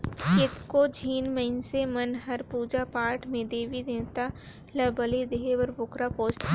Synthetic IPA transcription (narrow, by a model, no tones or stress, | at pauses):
kɪt̪kod͡ʒʱiːnməɪnsemɐnɦɐɾpuːd͡ʒapaːɾʈmẽd̪eːʋid̪eːnt̪a | lɐbəled̪eːɦebəɾbʊkɾapoːt͡ʃt̪a